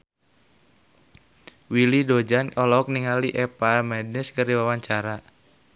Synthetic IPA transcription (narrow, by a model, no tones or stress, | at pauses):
wilidɔd͡ʒanʔɔlɔk̚niŋaliʔɛpamɛd̚nɪskɨrdiwawaɲt͡ʃaɾa